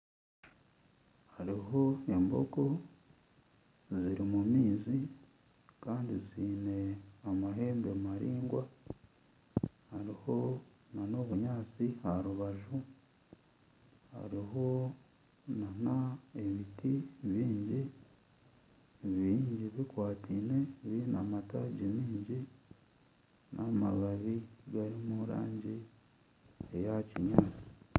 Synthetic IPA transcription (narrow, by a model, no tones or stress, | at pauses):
haɾiɦo̞embo̞̰ko̞ | ziɾimumiːzi | kaːndiziːne̞amaɦe̞ːmbemaɾiːŋɡwa | haɾiho̞ | nano̞ːβuɲaːt͡sihaɾuβaʒu | a̰ɾiɦo̞ | nanae̞βitiβiːɲɟi | ββiːɲɟiβikwaːtʰine̞βinamataɟimiːɲɟi | nʔama̰βaβiɡaɾimuɾa̰ːɲɟi | ejaciɲaːt͡si̥